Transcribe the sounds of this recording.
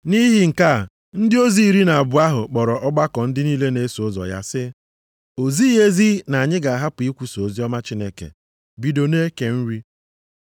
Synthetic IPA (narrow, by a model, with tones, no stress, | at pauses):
ni˦ɦi˦ŋ̩˨ka˦˨ | n̩˦dɪ˦o˦zi˦˨ɾi˦na˨a˨bʊ˨a˦ɦʊ˨k͡pɔ˨ɾɔ˨ʔɔ˦ɡ͡ba˦kɔ˨n̩˦dɪ˦niː˦le˦ne˨˦so˨˦zɔ̰˨ja̰˦sɪ˦ | o˨zi˦e˦zi˦na˨a˨ɲɪ˦ɡa˨a˨ɦa˦pʊ˨i˦kʷu˦so˨zi˦ɔ˦ma˦t͡ʃi˦ne˦kḛ˨ | bi˨do˨ne˦ke˨n̩˦ɾi˦